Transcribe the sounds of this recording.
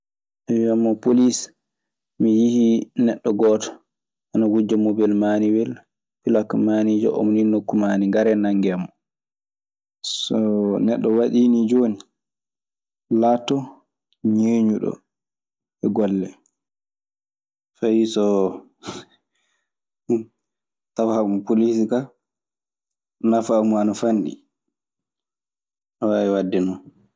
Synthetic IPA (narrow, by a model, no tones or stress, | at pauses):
ʔaamːɔpolis | mijihinɛɗːɔɡɔːtɔ̥ | ʔanaɡud͡ʒɔmobɛlmaniwɛl | filakmanid͡ʒɔ̰ʔo̰mninːokːumaniŋɡaɾɛnaŋɡɛmɔ | sɔnɛɗːɔwaɗinid͡ʒoni | laːtːɔ | ɲeːɲuɗɔ̰ | ɛɡɔlːɛ | fajisɔ | ɗum | tawahaumpolis̬ika | nafamuanafanɗḭ | ɔwaɛwadːɛnɔ